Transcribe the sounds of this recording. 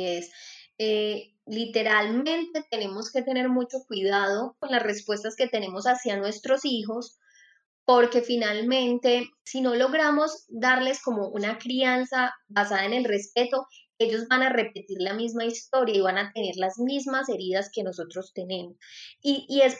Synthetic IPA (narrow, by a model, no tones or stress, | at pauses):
ese | lit̪e̞ɾalmẽ̞nt̪e̞t̪e̞ne̞mo̞ske̞t̪e̞ne̞ɾmut͡ʃo̞kwiðaðo̞ko̞nlasre̞spwe̞st̪aske̞t̪e̞ne̞mo̞sasjanwe̞st̪ɾo̞siɦo̞s | po̞ɾke̞finalmẽ̞nt̪e̞sino̞lo̞ɣɾamo̞zd̪aɾle̞sko̞mo̞ʔunakɾiansabasaðaene̞lre̞spe̞t̪o̞ | e̞ʝo̞zbanare̞pe̞t̪iɾlamizmaist̪o̞ɾjaiβanat̪e̞ne̞ɾlazmizmase̞ɾiðaske̞no̞so̞t̪ɾo̞st̪e̞ne̞mosies